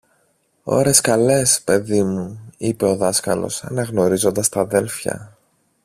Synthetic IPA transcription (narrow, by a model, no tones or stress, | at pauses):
o̞̰ɾe̞skɐle̞spe̞ðimuipe̞o̞ðɐskɐlo̞̰sɐ̰nɐɣno̞ɾizo̞nd̪ɐst̪ɐðe̞lfçɐ̰